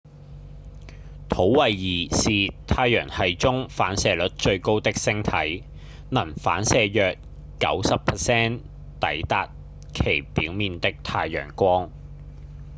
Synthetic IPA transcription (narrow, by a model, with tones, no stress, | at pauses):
t̪ʰo˨˥wwɐ˨jːiː˨˩siː˨t̪ʰaː˧jœː˨˩ŋhɐ˨jt͡sʊ˥ŋfaː˨˥nsɛː˨lɵ˨˥t̚t͡ʃɵ˧ɥko˥wt̪ɪ˥k̚sɪ˥ŋt̪ʰɐ˨˥j | nɐ˨˩nfa̰ː˨˥nsɛː˨˧jœː˨k̚ | kɐ̰˨˥wsɐ˨pʰɛ˨˩sɛː˥n | t̪ɐ̰˨˥jt̪aː˨t̚ | kʰe˨˩jpiː˨˥wmiː˨nt̪ɪ˥k̚t̪ʰaː˧jːœ̰ː˨˩ŋkʷɔː˥ŋ